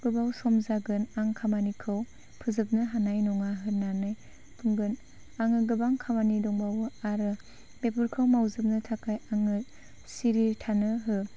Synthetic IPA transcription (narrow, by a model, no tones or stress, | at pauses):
ɡ̥ɯbawsɔmzaɡɯnaŋkʰamanikʰɯw | pʰɯzɯp̚nɯɦanajnɔŋaɦɯnanɯj | pʰɯŋɡɯn | aŋɯɡɯbaŋkʰamanidɔŋbawɯaɾɯ | bepɯɾkʰɯwmawzɯp̚nɯtʰakʰajaŋɯ | siɾitʰanɯɦɯ